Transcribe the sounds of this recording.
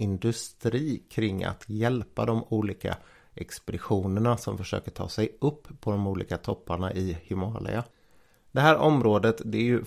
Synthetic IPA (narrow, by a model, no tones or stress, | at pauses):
ɪnd̪ɵst̪ɾiːkʰɾɪŋːa̰t̪ʰjɛlpːad̪ɔmuːliːka̰ | ʔɛkspɾɪɧuːnəɳasɔmfœʂø̰ːkəʈʰɑ̰ːsɛjɵpʰːɔd̪ɔmuːlḭːkat̪ʰɔpːaɳaʔɪhʏmɑːlʔɪ̰a | d̪̥ɛɦæːɾʔɔmɾoːd̪ət̪d̪ɛæɾjɵ